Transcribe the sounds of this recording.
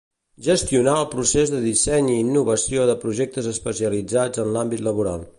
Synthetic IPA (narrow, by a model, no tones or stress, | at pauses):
ʒəst̪iunaəlˠpɾusezðəðisɛɲiːnːuβəsioðəpɾuʒɛk̚t̪əzəspəsiəlid͡zad͡zənlambit̪ləβuɾa̰lˠ